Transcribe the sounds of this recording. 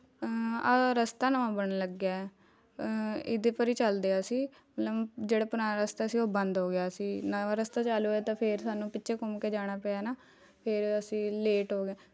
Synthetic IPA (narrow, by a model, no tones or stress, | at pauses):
aːɾəst̪aːnəʋãːbəɽ̃ləɡjaːɛ | ɪd̪eːpəɾiːt͡ʃəld̪eaːsiː | mət̪ləbd͡ʒeːɽaːpʊɾaːnaːɾəst̪aːəsiːoːbənd̪ɦoːɡɪjaːsiːnaaɾəst̪aːt͡ʃaːluɛːt̪ãːpʰeːɾsaːnũːpɪtːʃʰeːkʊmkeːd͡ʒaːɽ̃aːpɛaːnaː | pʰeɾəsĩːleːʈɦoːɡeː